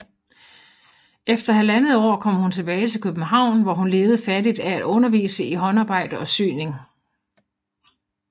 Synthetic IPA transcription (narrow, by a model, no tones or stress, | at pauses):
efd̥ɐɦælænəð̩ˠɒ̰ːkʰɒ̽m̰hunt͡sʰe̝b̥ɛːɪt͡sʰe̝lkʰøb̥n̩ɦɑ̈ʊ̰nʋɒhunle̝ːʊð̞̩ˠfædid̥ææd̥ɔ̽nɐʋḭːsəiɦɒ̽nɑ̈ːb̥ɑ̈ɪ̰d̥əɒ̽sy̰ːne̝ŋ